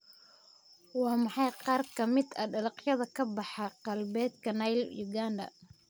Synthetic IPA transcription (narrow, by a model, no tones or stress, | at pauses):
wɑːmɑħɑjqɑːrkʰɐmɪd̪ɐɖɐlɑqjɐðɐkʰɐbɑħɑqɑlbɛːd̪kʰɐnɐjljuɡaːnd̪ɐ̰